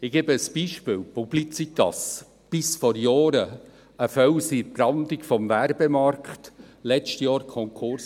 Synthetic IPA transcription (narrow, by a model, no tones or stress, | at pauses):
ɪɡ̥ɛbəːsb̥iːʃpɪːlpub̥lit͡sit̪ɑ̰s | b̥ɪsfɔɾjɔːɾə | əfœwsiprɑndɪɡfɔmvæɾbemɑrkχtlɛt͡ʃtjɑːɾkʰɔŋkʰʊɾs